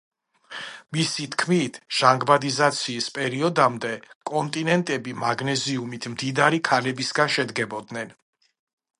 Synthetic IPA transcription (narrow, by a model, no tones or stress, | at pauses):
misit̪ʰkʰmit̪ʰʒ̥aŋɡbad̪izat̪sʰiːspʼɛɾiɔd̪amd̪ɛkʼɔnt̪ʼinɛnt̪ʼɛbimaɡnɛziumit̪ʰmd̪id̪aɾikʰanɛbisɡanʃɛd̪ɡɛbɔd̪nɛn